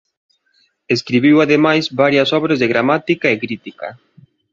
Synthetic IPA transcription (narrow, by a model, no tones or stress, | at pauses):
eskɾiβiwaðemajzβaɾjɐsɔβɾazðeɣɾamat̪ikaekɾit̪ika̰